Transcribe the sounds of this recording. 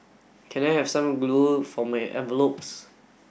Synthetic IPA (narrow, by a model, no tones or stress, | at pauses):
kʰɛ̃naɪhɛvsãmɡlufɔmaɪʔɛ̰̃vəlops